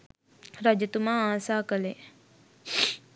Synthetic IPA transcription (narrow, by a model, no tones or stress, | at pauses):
ɾad͡ʒət̪umaːaːsaːkəle